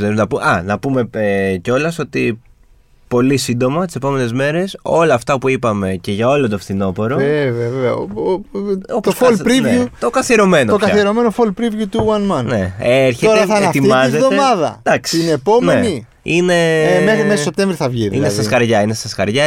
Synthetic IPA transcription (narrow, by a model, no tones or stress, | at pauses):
zeɾunɐpumeɐnɐpume̞eceo̞lɐso̞t̪i | po̞lisind̪o̞mɐt̪ise̞po̞me̞ne̞zme̞ɾe̞so̞lɐːft̪ɐpuipɐme̞ce̞ʝɐo̞lot̪̬ofθino̞po̞ɾo̞evɐvevɐoptoosfolpɾivut̪okɐθieɾo̞me̞nookɐθieɾome̞nofolpɾivʝut̪uwɐnmɐnne̞eɾçeoɾɐθɐet̪imɐzetðomɐðɐ̰d̪̥ɐksiineːpo̞mneeni | ine̞emexmessso̞p̚t̪eɱvɾiθɐvʝiinest̪ɐskɐɾʝɐinest̪ɐskɐɾʝɐ